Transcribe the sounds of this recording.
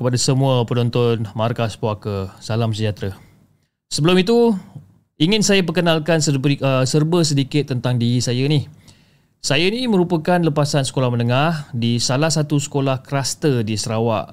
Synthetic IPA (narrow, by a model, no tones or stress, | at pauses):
kəpadasəmũəpənɔnt̪ɔnmarkaspoakəsalamsəd͡ʒat̪ɾa | səbəlʊmit̪̬u | iŋɪnsajap̬əkənalkansəəsərbəs̬ədikɪt̪ːənt̪aŋdiɾisajənih | sajanimə̃ɾupəkanləpasansə̥kolahmənəŋahdisalahsat̪usə̥kolahkɾast̪ədisəɾawa̰ʔ